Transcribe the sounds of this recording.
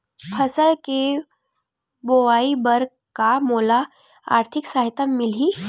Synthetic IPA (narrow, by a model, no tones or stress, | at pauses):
pʰɐsəlke | boʋaːibəɾ | kamoːla | a̰ːɾt̪ʰɪksaɦɪt̪əmːɪli